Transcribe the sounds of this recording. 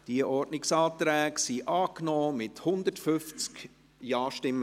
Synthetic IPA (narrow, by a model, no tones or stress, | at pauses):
d̥iəʔɔrdnɪksɑːt̪ɾɛːksiʔɑːknɔːmɪthʊnd̪ətfʏft͡sk | jɑːʃtɪmːə